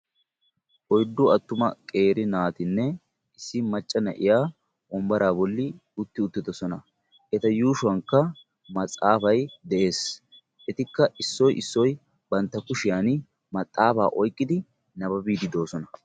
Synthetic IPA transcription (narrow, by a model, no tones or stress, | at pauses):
ʔɔjd̪ːʊɐt̪ːʊmɐkʼe̞ːɾɪnaːt̪ɪnːɛ | ɪsːɪmɐt͡ʃʼːɐnɐ̰ʔɪ̰jaː | ʔɔmbɐɾaːbɔlːɪʊt̪ːɪʊt̪ːɪd̪ɔsɔnɐ | ʔɛt̪ɐjuːʃʊɐŋkːɐ | mɐt͡sʼaːfɐjd̪ɛʔe̞ːs | ʔɛt̪ɪkːɐʔɪsːɔjɪsːɔj | bɐnt̪ːɐkʊʃɪjaːn | mɐt̪ʼːaːfa̰ːʔɔjkʼːɪd̪ɪ | nɐbɐbiːd̪ɪd̪o̞ːsɔnɐ